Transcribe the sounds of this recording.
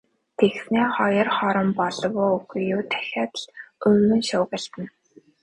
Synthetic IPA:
t̪ʰexsneːχɔjɞ̆rχɔɾɞ̆mpɔɮɞ̆wʊːuxjʊːt̪ʰæ̥xʲaːt̪ɮɵɣɵ̆nʃʊːɣə̆ɬt̪ə̆n

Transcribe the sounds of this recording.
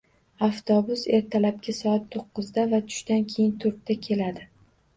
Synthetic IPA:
aft̪ʰɒbʊse̞ɾt̪ʰalap̚kʲasɒat̪ʰːoqːɨzd̪avat̪ʰʊ̥ʃt̪ankʲʰe̞jɪnt̪ʰʊɾt̪t̪ːakʲʰe̞lad̪ɪ

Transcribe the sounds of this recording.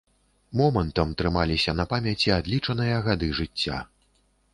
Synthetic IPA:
mɔmɐnt̪ɐmt̪ɾɨmalʲisʲɐnɐpamʲat͡sʲiad̪lʲit͡ʂɐnɨjɐɣad̪ɨʐɨt͡sʲːa̰

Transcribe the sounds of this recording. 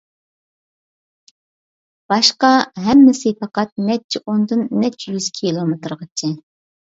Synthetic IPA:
b̥ɑʃqɑɦɛmːɪsɪpʰɑqɑt̪̚nɛt͡ʃʰːiʔond̪ɨnːɛt͡ʃʰːjyz̥kʲʰilˠomet̪ɾʁət͡ʃʰɪ

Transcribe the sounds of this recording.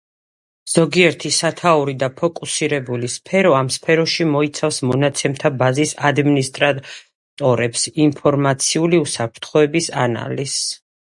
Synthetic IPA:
z̥ɔɡiɛɾt̪ʰisat̪ʰauɾid̪apʰɔkʼusiɾɛbulispʰɛɾɔamspʰɛɾɔʃimɔit̪sʰafsmɔnat̪sʰɛmt̪ʰabazisad̪minist̪ʼɾa | t̪ʼɔɾɛpsimpʰɔɾmat̪sʰiuliusapʰɾt̪ʰχɔɛbisana̰lis

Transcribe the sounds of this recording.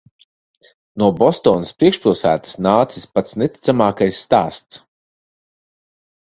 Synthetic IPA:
nuɔbɔst̪ɔːnɨspɾiɛkʃpilˠsæ̰ːt̪ə̥snaːt̪si̥spat̪snɛt̪ʲi̥t̪samaːkajsːt̪aːst̪s

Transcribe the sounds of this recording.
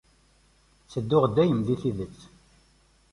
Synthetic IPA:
t͡sːəd̪ːʊʁd̪ːæjəmðiθiðət͡sː

